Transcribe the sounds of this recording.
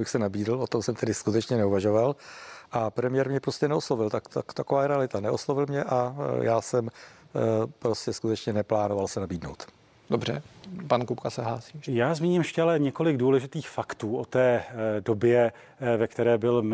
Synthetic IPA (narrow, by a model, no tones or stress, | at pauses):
bɪxsɛnabiːdl̩ot̪o̞msɛmt̪ɛdɪskut̪ɛt͡ʃɲɛnɛuvaʒovalʔapɾɛmɪjɛɾmɲɛpɾoscɛnɛoslo̞vɪlt̪akt̪akt̪akovaːɾɛalɪt̪anɛʔoslo̞vɪlmɲɛʔajaːsɛm | pɾoscɛskut̪ɛt͡ʃɲɛnɛplaːnovalsɛnabiːdnowt̪ | dobrɛ̰pankupkasɛɦlaːsiːjaːzmiːɲɪmjɛʃcɛalɛɲɛko̞lɪɡduːlɛʒɪt̪iːxfakt̪uːʔot̪ɛːdobjɛ | vɛkt̪ɛɾɛːbɪl